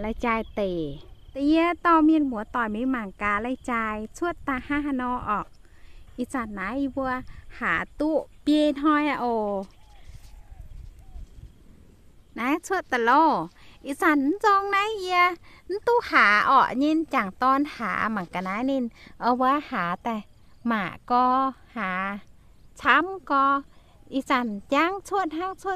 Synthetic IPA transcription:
la˧jt͡ɕaː˧jt̪e˨t̪a˧ʔi˧t̪ɔː˧˨mi˧˨nmu˨˦t̪ɔː˧˨jmi˧˦ma˧˩˨ŋkaː˧˨la˧jt͡ɕaː˧jsʰu˧˨t̪ːa˧ha˧ɦa˧˨nɔː˧˦ʔɔː˨˩k̚ | ʔi˧sa˧nːa˨˦ji˧bu˧ə˧haː˨t̪u˧˦pje˧nɦɔ˧ja˧ʔo˨˧˩ | na˧˦sʰu˧ə˨t̪ːa˨lo˧˩ʔi˧˨sa˧˩n˦zɔː˧ŋna˧˦ji˧ə˧n̩˦t̪u˧ʔhaː˨˦ʔɔ˧˩ʔɲi˧˨nt͡ɕa˨˩ŋt̪ɔː˧nha̰ː˨˦˧ma˨ka˨na˧˦ni˧˨nʔa˧bɔ˧a˧haː˨˦t̪ɛ˧˩maː˨˩˨ʔkɔː˧haː˨˦ | sʰa˧˦mkɔː˧ | ʔi˧˨sa˧˩nja˧˨ŋtʰu˧˨t̪̚ha˧˥˨ŋtʰu˧ə˨

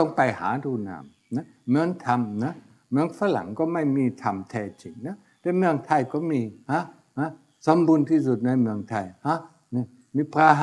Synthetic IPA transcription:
ɔ˧˩˨ŋpa˨jha̰ː˨˦t̪ʰuː˧˩na̰ː˧˩m | na˧˥ | mɯ˧˥ənt̪ʰa˧mna˧˥ | mɯ˧˩əŋfaː˧˥la̰˨˩˦ŋkɔː˧˩ma˧˥˩jmiː˧˨t̪ʰa˧˩mt̪ʰɛː˧˩t͡ɕi˨˧˩ŋna˧˥ | t̪ɛː˧˥˦mɯ˧əŋt̪ʰa˧˩jkɔː˧˩miː˧˨ha˧˥ | ha˧˥ | so˨˦mbuː˧˥˨nt̪ʰiː˧˩su˨˧˩t̪̚na˧jmɯ˧əŋt̪ʰa˧˩jha˧˥ | ni˧˩ | miː˧˥pʰaː˧ɦ

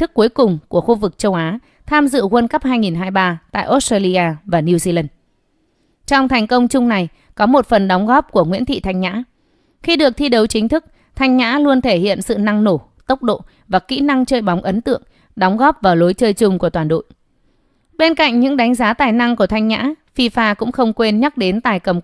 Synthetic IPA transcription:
t̪ʰɨ˦˥k̚ːu˨˦jkʊ˨˩ŋ͡mku˧˩əxu˧vɨ˨˩k̚t͡ɕə˧wʔaː˨˦ | t̪ʰaː˧mzɨ̰˧˨ɣə˧nkə˦˥p̚haː˧jŋi˨˩nɦaː˧jɓaː˧t̪a̰ː˧˨jʔo˦˥t̚staː˧li˧ʔaː˧vaː˨˩ni˧wzi˧la˧n | t͡ɕɔ˧wŋ͡mt̪ʰɛ˨˩jŋ̟kə˧wŋ͡mt͡ɕʊ˧ŋ͡mna˨˩j | kɔ˨˦mo˨˩t̚fə˨˩nɗɔ˨˦wŋ͡mɣɔ˦˥p̚ku˧˩əŋwḭ˧˥ənt̪ʰḭ˧˨t̪ʰa˧jŋ̟ɲa̰ː˧˥ | xi˧ɗɨ˨˩ək̚t̪ʰi˧ɗə˨˦wt͡ɕï˨˦ŋ̟t̪ʰɨ˦˥k̚ | t̪ʰa˧jŋ̟ɲa̰ː˧˥lu˧ənt̪ʰe˧˩hḭ˧˨ənsɨ̰˧˨na˧ŋno˧˩ | t̪ə˦˥wk͡p̚ɗo̰˧˨ | vaː˨˩kḭ˧˥na˧ŋt͡ɕəː˧jɓa˨˦wŋ͡mʔə˨˦nt̪ɨ̰˧˨əŋ | ɗɔ˨˦wŋ͡mɣɔ˦˥p̚vaː˨˩wlo˨˦jt͡ɕəː˧jt͡ɕʊ˧ŋ͡mku˧˩ət̪waː˨˩nɗo̰˧˨j | ɓe˧nka̰˧˨ŋ̟ɲɨ̰˧˥ŋɗa˨˦jŋ̟zaː˨˦t̪aː˨˩jna˧ŋku˧˩ət̪ʰa˧jŋ̟ɲa̰ː˧˥fi˧faː˧kʊ̰˧˥ŋ͡mxə˧wŋ͡mkwe˧nɲə˦˥t̚ɗe˨˦nt̪aː˨˩jkə˨˩m

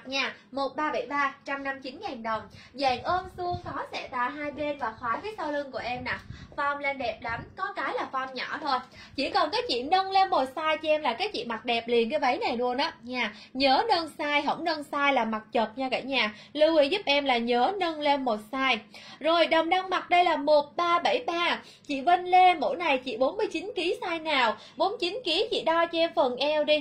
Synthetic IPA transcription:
ɲaː˧˩mo˨˩t̚ɓaː˧ɓə˧˩jɓaː˧t͡ɕa˧mna˧mt͡ɕi˨˦nzaː˨˩ŋɗə˨˩wŋ͡m | zaː˨˩ŋʔəː˧nsɨ˧əŋkɔ˨˦sɛ̰˧˥t̪a̰ː˧˨ɦaː˧jɓe˧nvaː˨˩xwaː˨˦vəː˨˦jsa˧wlɨ˧ŋku˧˩əʔɛ˧mna˨˩fa˧wŋ͡mle˧nɗɛ˨˩p̚ɗa˨˦mkɔ˨˦kaː˨˦jlaː˨˩fa˧wŋ͡mɲɔ˧˩t̪ʰo˧j | t͡ɕḭ˧˩kɔ˨˩nkaː˨˦jt͡ɕḭ˧˨nə˧wŋ͡mle˧nmo˨˩t̚saː˧jt͡ɕi˧ʔɛ˧mlaː˨˩kaː˨˦jt͡ɕḭ˧˨ma˨˩t̚ɗɛ˨˩p̚li˨˩ənk̬aː˨˦jvə˨˦jna˨˩jɗu˧ənaː˨˦ɲaː˧˩ | ɲəː˨˦nə˧nsaː˧jɦə̰˧˩wŋ͡mnə˧nsaː˧jlaː˨˩ma˨˩t̚t͡ɕə˨˩t̚ɲaː˧ka̰˧˩ɲaː˧˩lɨ˧wi˧zu˦˥p̚ʔɛ˧mlaː˨˩ɲəː˨˦nə˧nle˧nmo˨˩t̚saː˧jzo˨˩jɗə˨˩ŋ͡mɗa˧wŋma˨˩t̚ɗə˧jlaː˨˩mo˨˩t̚ɓaː˧ɓə˧˩jɓaː˧ | t͡ɕḭ˧˨və˧nle˧mo̰˧˩jna˨˩jt͡ɕḭ˧˨ɓo˨˦nmɨ˧əjt͡ɕi˨˦nki˨˦saː˧jnaː˨˩w | ɓo˨˦nt͡ɕi˨˦nki˨˦t͡ɕḭ˧˨ɗɔ˧t͡ɕɔ˧ʔɛ˧mfə˨˩nʔɛ˧wɗi˧

